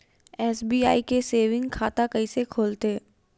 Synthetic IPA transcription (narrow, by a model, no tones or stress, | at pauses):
ɛːsbiːa̰ːikeseːʋɪ̃ŋɡkʰaːt̪akɐisekʰoːlt̪eː